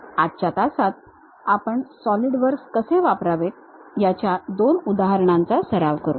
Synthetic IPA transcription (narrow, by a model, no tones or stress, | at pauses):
atɕat̪asat̪̚ | apəɳsɔliɽʋəɾɡskəseʋapɾaʋet̪̚jat͡ɕjad̪onud̪aɦəɾɳãnt͡sasəɾaʋkəɾṵː